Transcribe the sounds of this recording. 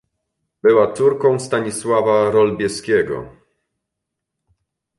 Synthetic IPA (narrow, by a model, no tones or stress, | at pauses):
bɘwat̪suɾkɔ̃w̃st̪aɲiswavaɾɔlbʲjɛskʲɛɡɔ̰